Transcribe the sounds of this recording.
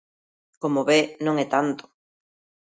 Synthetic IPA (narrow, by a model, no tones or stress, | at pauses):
komoβenõŋɛt̪ant̪o̥